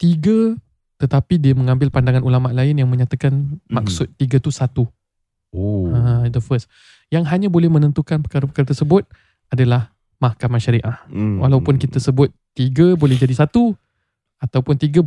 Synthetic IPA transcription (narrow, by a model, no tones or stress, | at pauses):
t̪iɡə | t̪ət̪apidiəmə̃ŋãmbɪlpandaŋanulamaʔlaɪnjaŋmə̃ɲat̪akanmaksʊt̪ːiɡət̪usat̪u | oad̪əfəs | jaŋɦaɲãbolɛhmənənt̪ukanpəkaɾapəkaɾat̪ərsəbʊt̪̚ | adalah | mahkamãʃaɾiʔahwʔa̰lawpʊnkit̪əsəbʊt̪̚ːiɡəbolɛhɦd͡ʒadisat̪u | at̪awpʊnt̪iɡə